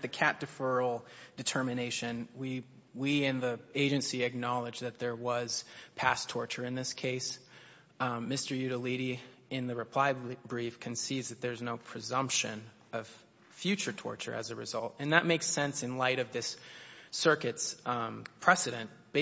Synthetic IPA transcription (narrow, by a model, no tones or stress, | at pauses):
ðɨkʰæp̚tɨfɜ˞l̩ˠd̥ɨtʰɜ˞mɨneɪʃɨ̃nwi | wiɨ̃nðieɪd͡ʒɨ̃nsiɨk̚nɑlˠɨd͡ʒðɨt̪̚ðə˞wʌz̥pʰæstʰɔɹt͡ʃə˞ɨ̃nðɪskʰeɪs | mɪstə˞jʉɾəliɾi | ɪ̃nðɨɹɨpʰl̥aɪbɹifkʰɨ̃nsivzðɨt̪̚ðə˞znoʊpʰɹ̥ɨzʌ̃mpʃɨ̰̃n | ʌv̥ | fjʉt͡ʃə˞tʰɔ̰ɹt͡ʃə̰˞ʔɨ̰zɨɹɨ̰zʌlˠtɨ̃nðɨt̚meɪksɛ̃nsɨ̃nlaɪɾʌvðɪs | ɜ˞kɨtspʰɹ̥ɛsɨɾɨ̃n̚ | b̥